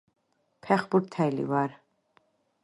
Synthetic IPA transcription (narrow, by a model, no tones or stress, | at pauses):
pʰɛχbuɾt̪ʰɛjlḭvaɾ